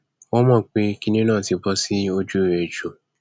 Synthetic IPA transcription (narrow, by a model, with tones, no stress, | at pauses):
wo˦mãː˦˨k͡pe˧˦ki˦nĩ˦nãː˦˨ti˨˧˦bɔ˧si˦o˧d͡ʒu˦˨e˨d͡ʒo˨